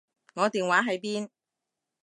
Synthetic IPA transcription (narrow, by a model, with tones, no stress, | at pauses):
ŋɔː˨˧t̪iː˨nwaː˨˥ɦɐ˨˥jpiː˥n